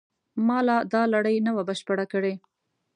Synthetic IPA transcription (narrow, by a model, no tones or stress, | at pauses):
mɑlad̪ɑlaɽəjnəwabəʃpəɽakəɽe